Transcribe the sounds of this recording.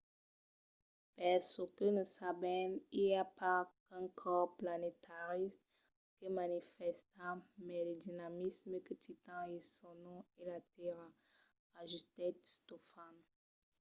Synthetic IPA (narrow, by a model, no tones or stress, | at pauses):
pɛʁsəkənəsabɛniljapakɛ̃kʰɔplanetʰaʁism | kəmanifɛst̪amɛləd̪inamisməkət̪it̪ɑ̃esɔ̃nɔ̃elateʁa | aʒyst̪ɛt̪stɔfan